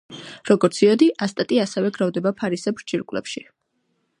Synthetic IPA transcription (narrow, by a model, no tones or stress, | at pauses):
ɾɔɡɔɾt̪sʰiɔd̪iʔast̪ʼat̪ʼiasɛvɛɡɾavd̪ɛbapʰaɾisɛbɾd͡ʒiɾkʼwlɛ̰pʃi